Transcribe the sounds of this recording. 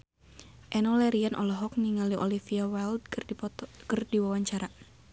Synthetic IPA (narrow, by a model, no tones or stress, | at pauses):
ʔɛnɔlɛɾianʔɔ̰lɔɦɔk̚niŋaliʔɔ̰lifiawɛld | kərdiwawaɲt͡ʃaɾa